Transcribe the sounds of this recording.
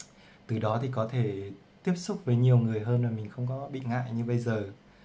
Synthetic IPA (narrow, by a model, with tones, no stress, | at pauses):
t̪ɨ˨˩ɗɔ˨˦t̪ʰi˨˩kɔ˨˦t̪ʰe˧˩ | t̪i˦˥əp̚sʊ˦˥k͡p̚vəː˨˦jɲi˨˩əwŋɨ˨˩əjɦəː˧nmaː˨˩mï˨˩ŋ̟xə˧wŋ͡mkɔ˨˦ɓḭ˧˨ŋa̰ː˧˨jɲɨ˧ɓə˧jzəː˨˩